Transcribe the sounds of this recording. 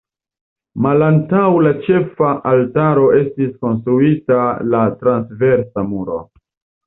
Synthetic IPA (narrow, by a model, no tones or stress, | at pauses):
malantawlat͡ʃe̞faʔaltaɾo̞e̞stisko̞nstɾuitalatɾansve̞ɾsamuɾo̞̰